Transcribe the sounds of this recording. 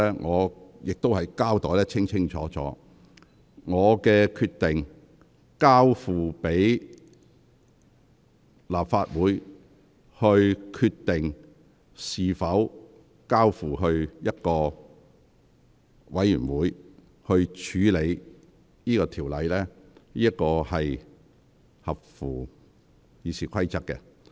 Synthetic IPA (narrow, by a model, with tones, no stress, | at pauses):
ɛː˥ŋʔɔː˨˧jɪ˨k̚t̪o˥whɐ˨jkaː˥wt̪ɔː˨˥jlɛː˥t͡sʰɪ˥ŋt͡sʰɪ˥ŋt͡ʃʰɔ̰ː˨˥t͡sɔ̰ː˨˥ | ŋɔː˨˧kɛː˧kʰyː˧t̪ɪ˨ŋ | kaː˥wfuː˨pe˨˥j | laː˨p̚faː˧t̚wuː˨˥j | hɵ˧ɥkʰyː˧t̚t̪ɪ˨ŋ | siː˨fɐ˨˥w | kaː˥wfuː˨˩ɦɵ˧ɥjɐ˥t̚kɔː˧ | wɐ˨˥jy̰ː˨˩nwuː˨˧˥j | hɵ˧ɥt͡ʃʰyː˨˥le˨˧j | niː˥kɔː˧t̪ʰiː˨˩wlɐ˨jlɛː˥ | niː˥ɐ˥t̚kɔː˧hɐ˨j | hɐ˨p̚fuː˨˩ | jiː˨˧siː˨kʷʰɐ˥jt͡sɐ˥k̚kɛ̰˧